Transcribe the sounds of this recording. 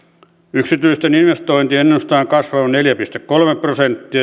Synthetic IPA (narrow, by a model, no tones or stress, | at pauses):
yksit̪yist̪eninʋest̪oint̪ienːeost̪ɑːŋkɑsʋɑonneljæpist̪ekkolmepːrosent̪ːiɑ